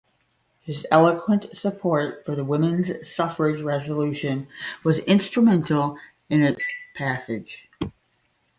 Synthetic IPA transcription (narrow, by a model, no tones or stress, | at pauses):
hɨzɛlˠəkʰwə̃ntsəpʰɔɹtfə˞ðəwɪ̃mɨ̃nz̥sʌfə˞ɪd͡ʒɹɛzəlʉʃɨ̃nwʌzɪ̃nstɹ̥ɨmɛ̃ntˡl̩ˠ | ɨ̃nɨtspʰæsɪd̥ʒ̥